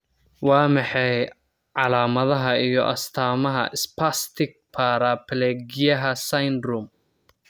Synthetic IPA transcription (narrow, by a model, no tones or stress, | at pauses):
wɑːmɑħɑj | ʕɑlaːmɐðɐɦɐijɔ̰ʔɐ̰st̪ʰaːmɐɦɐ̰ʔɪspʰast̪ʰɪk̚pʰaɾapʰlɛːɡɪjɐɦɐsɐjnd̪ɾʊm